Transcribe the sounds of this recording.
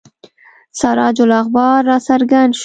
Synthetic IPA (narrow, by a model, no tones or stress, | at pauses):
saɾɑd͡ʒʊlaxbɑɾːɑsaɾɡand̪ʃ